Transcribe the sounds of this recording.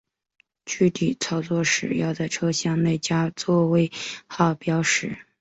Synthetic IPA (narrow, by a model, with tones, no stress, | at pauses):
t͡ɕy˥˧t̪i˨˩t͡sʰɑ˥˩ʊt͡swɔ˥˩ʂɻ̩˨˩jɑ˥˧ʊt͡sa˥˩ɪʈ͡ʂʰɤ˥ɕjɑ˥˧ŋne˥˩ɪt͡ɕja˥t͡swɔ˥˧we˥˩ɪxɑ˥˩ʊpjɑ˥ʊʂɻ̩˨˩˦